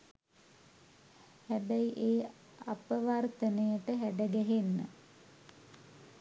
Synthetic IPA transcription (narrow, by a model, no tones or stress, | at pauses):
hæbæjiʔeː | apəʋart̪ənəjəʈəɦæɖəɡæɦenːə̰